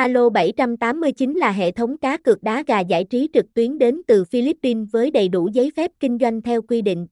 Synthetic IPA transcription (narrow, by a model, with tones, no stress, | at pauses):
ʔaː˧lo˧ɓə˧˩jt͡ɕa˧mt̪aː˨˦mːɨ˧əjt͡ɕï˨˦nlaː˨˩ɦḛ˧˨t̪ʰə˨˦wŋ͡mkaː˨˦kɨ˨˩ək̚ɗaː˨˦ɣaː˨˩za̰ː˧˩jt͡ɕi˨˦t͡ɕɨ˨˩k̚t̪wi˨˦ənɗe˨˦nt̪ɨ˨˩fi˧li˦˥pːi˧nvəː˨˦jɗə˨˩jɗu˧˩zəː˨˦jfɛ˦˥p̚kï˧ŋ̟zwa˧jŋ̟t̪ʰɛ˧wkwi˧ɗḭ̈˧˨ŋ̟